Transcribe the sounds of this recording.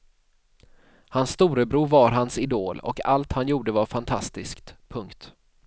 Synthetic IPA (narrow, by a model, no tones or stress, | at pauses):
hansːt̪uːɾəbɾuːɾvaɾɦansɪd̪oːlɔ̰ka̰lt̪hanjuːɖəvaɾfant̪ʰa̰st̪ɪskt̪pʰɵŋkt̪